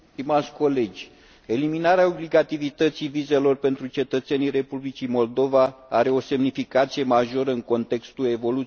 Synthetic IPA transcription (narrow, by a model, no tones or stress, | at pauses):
t̪imat̪sʲko̞le̞d͡ʒʲ | e̞liminaɾeao̞bliɡat̪ivit̪ət̪sivize̞lo̞rpe̞nt̪ɾut͡ʃe̞t̪ət̪se̞nire̞publit͡ʃimo̞ld̪o̞vaaɾe̞o̞se̞mnifikat̪sije̞maʒo̞ɾəɨŋko̞nt̪e̞kst̪ue̞vo̞lu